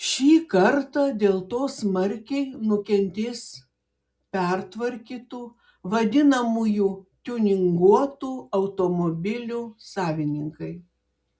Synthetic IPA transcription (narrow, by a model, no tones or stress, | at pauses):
ʃʲiːkɐɾt̪ɑːd̪ʲeːlˠt̪oːsmɐɾʲkʲɛɪnʊkʲɛnʲt̪ʲɪs | pʲɛɾt̪ʋɐɾʲkʲiːt̪uː | ʋɐd̪ʲɪnɐmujuːt̪ʲuːnʲɪŋɡuɔt̪uːɐʊt̪oːmoːbʲɪlʲuːsɑːʋʲɪnʲɪŋkɐɪ